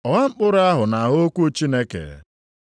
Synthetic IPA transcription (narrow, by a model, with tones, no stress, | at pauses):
ɔ˨ŋa˦ŋ͡m̩˦k͡pʊ˦ɾa˦ɦʊ˨na˨ɦo˦kʷu˦o˦t͡ʃi˦ne˦kḛ˨